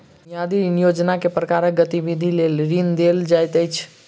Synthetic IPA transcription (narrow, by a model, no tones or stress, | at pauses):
nijad̪inijod͡ʒnakepɾəkaɾək̚ɡət̪ibid̪ʱilelɾind̪eld͡ʒajt̪əjt͡ʃʰ